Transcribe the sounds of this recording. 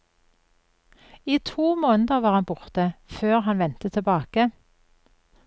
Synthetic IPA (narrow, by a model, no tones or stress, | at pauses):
iːt̪ʰuːmoːnəd̪əʋɑːʁɑnbʊʁt̪əføːʁhɑnʋɛnt̪ət̪ʰɛbɑːkə